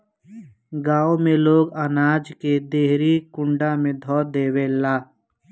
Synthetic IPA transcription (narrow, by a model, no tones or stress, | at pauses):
ɡaːõmẽloːɡənaːd͡ʒked̪eːɦɾikʊ̃ɳɖamẽd̪ʱɔːd̪eːwelaː